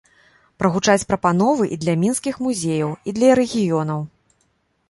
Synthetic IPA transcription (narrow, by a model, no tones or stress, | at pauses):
pɾɐɣut͡ʂat͡sʲpɾɐpan̪ɔvɨʔid̪lʲɐmʲinskʲixmuzʲejɐwid̪lʲɐɾɛɣʲijɔn̪ɐw